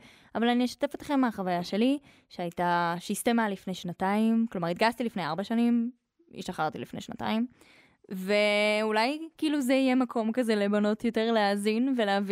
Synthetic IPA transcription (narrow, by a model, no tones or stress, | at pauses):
avalanieʃḁtefot̪χemːeaχavajaʃe̞li | ʃeajtaʃiistemalifne̞jʃnataimklomaʁit̪̚ɡast̪ilifnejaʁbaʃanim | ḭʃaχaʁt̪ilifnejʃna̰ta̰im | ve̞ulajkiiluzeijemakʰo̞mkazelebano̞tjo̞teʁleaːzinveleavi